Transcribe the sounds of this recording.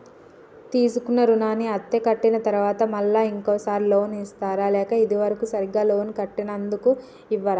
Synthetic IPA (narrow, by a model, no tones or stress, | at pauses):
t̪iːsukunːɐɾunaːniɐt̪ːekɐʈːinɐt̪ɐɾuʋaːt̪ɐmɐlːaːiŋkoːsaːɾilo̞ːnist̪aːɾaːlɛːkɐid̪iʋɐɾɐkusɐɾiɡaːlo̞ːnkɐʈːinɐnd̪uku | iʋːɐɾaː